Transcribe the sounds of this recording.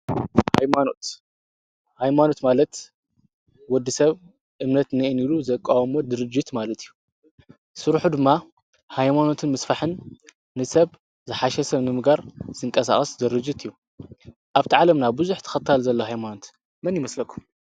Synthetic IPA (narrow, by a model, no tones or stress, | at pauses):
ha̰jmanot̪ | hajmano̞t̪malɐt̪ | wɔd̪ːisɐβ | ʔɨmnɐt̪nɐʔiniluzɐkʼːawmod̪ɨɾɨd͡ʒːit̪malɐt̪ijːu | sɨɾħud̪ɨmːa | hajmano̞t̪ʰɨnmɐsfaħɨnː | ɨsɐβ | zɨħaʃɛsɐβnɨmɨɡaɾzɨŋkʼɐsa̰χʼɐszɨɾɨd͡ʒit̪ɨjːu | ʔaβt̪ʰiʕalɐmnabɨzuħt̪ʰɐ̥xɐt̪ʰːalzɐlːoɦajmano̞t̪ | mɐnjɪmɐslɐkʰːum